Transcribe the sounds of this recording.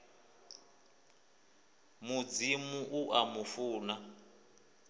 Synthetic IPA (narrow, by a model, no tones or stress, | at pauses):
mud͡zimuʔuʔamufuːna